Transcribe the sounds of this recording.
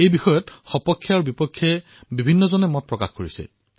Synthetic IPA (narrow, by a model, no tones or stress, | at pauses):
ejbixɔjɔtxɔpɔkʰːjaaɹubipɔkʰːjɛ | bibʱinːɔzɔnɛmɔt̚pɹɔka̰xkoɹisɛ̰